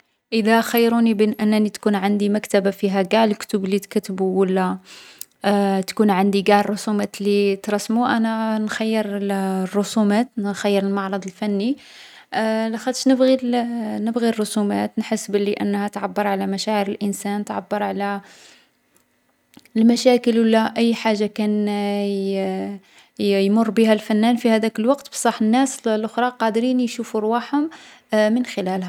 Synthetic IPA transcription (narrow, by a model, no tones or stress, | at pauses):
ʔəd̪æxəjːɾunibənʔænːænit̪kunʕand̪imækt̪əbafiɦæɡaʕləkt̪ublit̪kæt̪buwəlːæ | t̪kunʕand̪iɡaʕrˤːosumæt̪lit̪ɾˤɑsːmuʔænænxæjːəɾrˤːʊsumæt̪nxæjːəɾəlmɑʕɾˤɑd̪ˤəlfænːi | læxæt̪ʃnəbɣinəbɣirˤːosumæt̪nħəsːbəliʔə̰nːhæt̪ʕabːəɾˤʕalæmæʃæʕəɾəlʔənsænt̪ʕabːəɾˤʕalæ | əlmæʃækəlwəlːæʔəjːħaʒːakæn | jmʊrˤːbihælfænːænfihæd̪ækəlwɑqt̪bsˤɑħənːæslʔʊxɾˤɑqɑd̪ɾinjʃufuɾˤwaħhʊm | mənxəlælhæ